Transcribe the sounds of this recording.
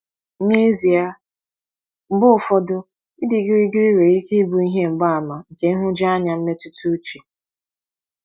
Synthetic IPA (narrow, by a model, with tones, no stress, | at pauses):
ɲe˦zi˨a˦ | m̩˦bʊ˦ʊ˨fɔ˦dʊ˦ | i˦di˨˦ɡi˦ɾi˦ɡi˦ɾi˦ɾe˨ɾi˦ki˦bu˨i˦ɦe˦m̩˨ɡ͡ba˦a˨ma˨ke˨˦ɦʊ˦d͡ʒa˦a˦ɲa˨m̩˦me˦tu˦tu˦t͡ʃe˨